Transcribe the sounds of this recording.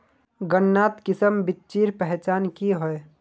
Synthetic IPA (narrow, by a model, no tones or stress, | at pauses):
ɡənːaːt̪kɪsəmbɪt̪ːt͡ʃiːɾpɛɦt͡ʃaːnkiɦoe